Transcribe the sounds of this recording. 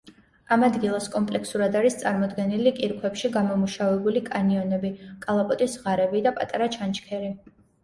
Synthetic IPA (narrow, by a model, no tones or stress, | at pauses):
amad̪ɡilˠaskʼɔmpʼlɛksuɾad̪aɾist̪sʼaɾmɔd̪ɡɛnilikʼiɾkʰwɛpʃiɡamɔmuʃavɛbulikʼaniɔnɛbikʼalˠapʼɔt̪ʼisʁaɾɛbid̪apʼat̪ʼaɾat͡ʃʰant͡ʃʰkʰɛɾi